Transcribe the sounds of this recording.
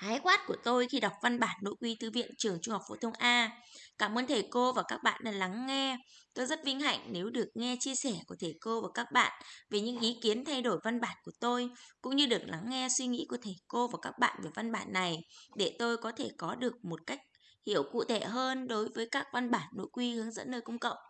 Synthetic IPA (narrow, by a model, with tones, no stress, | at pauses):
haː˨˦jxwaː˦˥t̚ku˧˩ət̪o˧jxi˧ɗa˨˩wk͡p̚va˧nɓaː˧˩nːo̰˧˥kwi˨˦t̪ʰɨ˨˦vḭ˧˨ənt͡ɕɨ˨˩əŋt͡ɕu˧ŋ͡mha˨˩k͡p̚fo̰˧˥t̪ʰə˧wŋ͡mʔaː˧kaː˧˩mʔəː˧nt̪ʰe˨˩ko˧vaː˨˩kaː˦˥k̚ɓa̰ː˧˨nʔa˧˩la˨˦ŋːɛ˧t̪o˧jzə˦˥t̚vï˧ŋ̟ɦa̰˧˨jŋ̟ne˨˦wɗɨ˨˩ək̚ŋɛ˧t͡ɕi˧əsɛ˧˩ku˧˩ət̪ʰe˨˩jko˧vaː˨˩kaː˦˥k̚ɓa̰ː˧˨nve˨˩ɲɨ̰˧˥ŋʔi˨˦ki˨˦ənt̪ʰa˧jɗo˧˩jva˧nɓaː˧˩nku˧˩ət̪o˧jkʊ̰˧˥ŋ͡mɲɨ˧ɗɨ˨˩ək̚la˨˦ŋːɛ˧swi˧ŋḭ˧˥ku˧˩ət̪ʰe˨˩ko˧vaː˨˩kaː˦˥k̚ɓa̰ː˧˨nve˨˩va˧nɓa̰ː˧˨nːa˨˩jɗe˧˩t̪o˧jkɔ˨˦t̪ʰe˧˩kɔ˨˦ɗɨ˨˩ək̚mo˨˩t̚ka˦˥jk̚ | hḭ˧˩˨əwkṵ˧˨t̪ʰe˧˩ɦəː˧nɗo˨˦jvəː˨˦jkaː˦˥k̚va˧nɓaː˧˩nːo̰˧˥˨jkwi˧hɨ˨˦əŋzə̰˧˥nːnəː˧jkə˧wŋ͡mkə̰˧˨wʔ